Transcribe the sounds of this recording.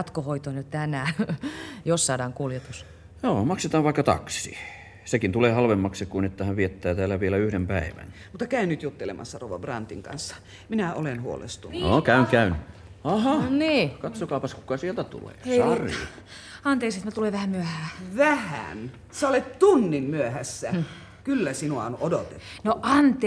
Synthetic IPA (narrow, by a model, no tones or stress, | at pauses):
t̪kohoit̪oinytt̪ænæː | jossɑːdɑːŋkuljet̪us | joːmɑkset̪ɑːʋʋɑˑikːɑt̪ɑ̰ksḭ | sekint̪uleːhɑlʋemːɑksekuinet̪ːæhæʋʋiet̪ːæːt̪æːlːæʋielæyhɾempæˑiʋæ̰nmut̪ːɑkæynyt̪jut̪ːelḛmɑ̰sːɑro̰ʋɑ̰brɑ̰nt̪iŋkɑ̰nsːɑ̥ | minæolenhuo̰lḛst̪uno̰kæˑyŋkæyn | ɑhɑniːkɑt̪sokɑˑupɑskukɑsielt̪æt̪ṵlḛːsɑrḭ | ɑnt̪eːkset̪mæt̪uleʋæhæmyøhæːʋæhæ̰n | sæolet̪t̪unːimmyøhæsːæ | kylːæsinuɑonodot̪enoʔɑnt̪ˑː